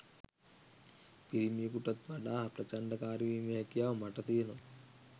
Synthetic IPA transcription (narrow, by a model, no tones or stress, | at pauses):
piɾimiːkuʈɐt̪ʋɐɖaːpɾɐt͡ʃɐɳɖɐkaːɾiʋimeɐkjaːmɐʈɐt̪iːno